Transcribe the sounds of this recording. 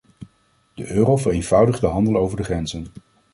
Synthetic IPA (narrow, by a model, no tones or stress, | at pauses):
d̥əʔøːrowvərejnvʌwdəχdəɦɑndəlˠowvəɹdəχrɛnzən